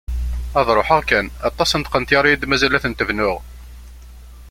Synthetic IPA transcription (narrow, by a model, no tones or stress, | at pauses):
ɑðˤɾˤoħæʁkænɑt̪ˤːɑsənt̪qənt̪jɑɾˤijid̪mæzælæθənt̪əvnʊʁ